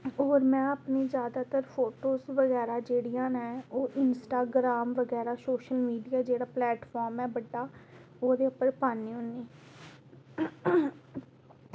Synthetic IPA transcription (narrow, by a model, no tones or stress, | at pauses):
oːɾmɛ̃ːəpniːzjaːd̪aːt̪əɾpʰoːʈoːsʋəɡɛːɾaːd͡ʒeːɽijãːnɛɛoːʔɪnsʈaːɡɾaːmʋəɡɛːɾaːsoːʃəlmiːɖijaːd͡ʒeːɽaːplɛːʈfʰɔːɾmɛːbəɖːaː | oːd̪eːʊpəɾpaːniːɦʊnːiː